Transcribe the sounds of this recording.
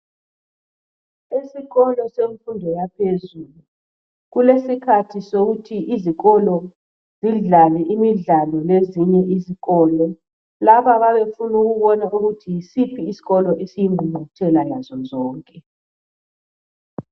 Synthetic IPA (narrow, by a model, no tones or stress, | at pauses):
isiɣɔlɔseɱfundʱɔjapʰezulu | ɣulesikʰatʰisoɣutʰiʔiziɣɔlɔ | z̥iɮalɛʔimiɮalɔleziɲɛʔiziɣɔːlɔ | laβaβaβefunuɣuβɔnaʔuɣutʰisipʰiːsi̥ɣɔlɔʔesijiŋ͡ǃʱumutʰɛlalazɔzɔːŋkʼɛ